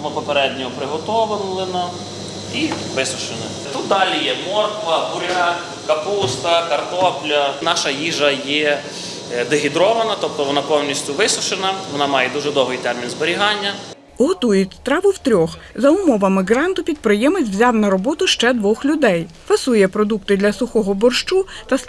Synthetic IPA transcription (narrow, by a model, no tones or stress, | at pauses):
mɪpɔpeɾɛd̪ʲnʲɔɦɔpɾɪɦɔt̪ɔʋɪnlˠɪnɐ | i | ʋɪsʊʃɪnɪ | t̪ut̪̚d̪ɑlʲijɛmɔrkʋɐbuɾʲɦɐ | kɐpust̪ɐkɐrt̪ɔplʲɐnɑʃɐjiʒɐjɛ | d̪eɦʲid̪ɾɔʋɐnɐt̪ɔp̚t̪ɔʋɔnɑpɔwnʲisʲtʲʊʋɪsʊʃɪnɐʋɔnɑmɑjɛd̪uʒɛd̪ɔwɦɪjt̪ɛrmʲinzbɔɾʲiɦɑnʲːɐ | ɦɔt̪ujit̪ɾɑʋʊwt̪ɾʲɔxzɐʊmɔʋɐmɪɡɾɑnt̪ʊpʲid̪̚pɾɪjɛmɪt͡sʲwzʲɑwnɐɾɔbɔt̪ʊʃt͡ʃɛd̪ʋɔxlʲʊd̪ɛj | fɐsujɛpɾɔd̪ukt̪ɪd̪lʲɐsʊxɔɦɔbɔrʃt͡ʃut̪ɐ